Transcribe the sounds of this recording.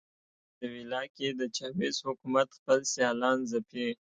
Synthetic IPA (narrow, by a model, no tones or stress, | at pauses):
d̪əwilɑked̪ət͡ʃɑbezhʊkumat̪xpəlsjɑlɑnzape